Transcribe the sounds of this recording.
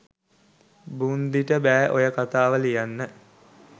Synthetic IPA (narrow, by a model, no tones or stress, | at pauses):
bund̪iʈəbæːʔojəkat̪aːʋəlijanːə